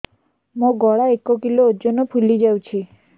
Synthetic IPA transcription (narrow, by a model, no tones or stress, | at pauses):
mõɡɔɭaekokiloːd͡ʒonopʰulid͡ʒawt͡ʃʰi